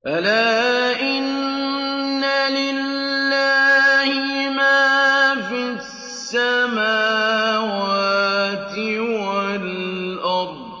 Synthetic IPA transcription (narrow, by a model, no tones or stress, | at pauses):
ʔalaː | ʔɪnː | alɪlːaːhɪmaːfi | ssːamaːwaːt̪ɪwalʔɑɾˤd̪